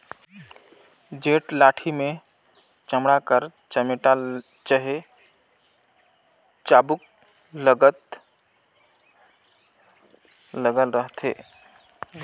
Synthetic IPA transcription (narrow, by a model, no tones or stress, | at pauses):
d͡ʒeʈlaʈʰime | t͡ʃəmɽakəɾt͡ʃəmeʈa | t͡ʃəɦe | t͡ʃabuk̚ | ləɡət̪ | ləɡəlɾəɦt̪ʰḛ